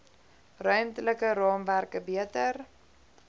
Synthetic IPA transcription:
rœɥmtələkəɾɑːmværkəbiətər

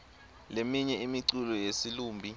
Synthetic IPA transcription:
lemiɲɛimiǀulɔjesiluːmbʱi

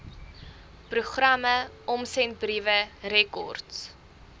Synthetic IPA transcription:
pruχrɐmə | ɔmsɛnt̚brivəɾɛkɔ̰rts

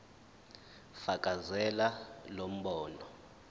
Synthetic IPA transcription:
fakʼazɛlalom̩ɓɔːnɔ

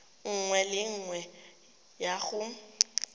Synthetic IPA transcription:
ŋ̩ŋwɛlɪŋ̩ŋwɛ | jaɣʊ

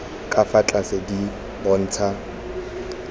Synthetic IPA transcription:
kʼafat͡ɬʼasedi | bɔn̩ːt͡sʰa

